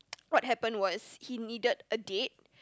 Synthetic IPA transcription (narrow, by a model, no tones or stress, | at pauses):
wɔt̚hɛpə̃nwɔshinidədədet̚